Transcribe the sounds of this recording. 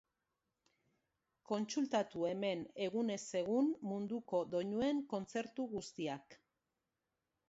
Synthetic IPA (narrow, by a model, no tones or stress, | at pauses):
ko̞nt͡sult̪at̪ue̞me̞ne̞ɣ̞une̞se̞ɣ̞unmund̪uko̞d̪o̞ɲue̞ŋko̞nt͡se̞ɾt̪uɣust̪iak